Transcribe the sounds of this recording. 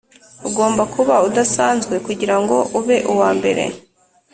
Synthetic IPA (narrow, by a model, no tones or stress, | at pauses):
uɡo̞ːmbakuβaudasaːnzɡwe̞kuɟiɾaŋɡo̞ʔuβe̞ʔuwaːmbe̞̰ɾe̞̰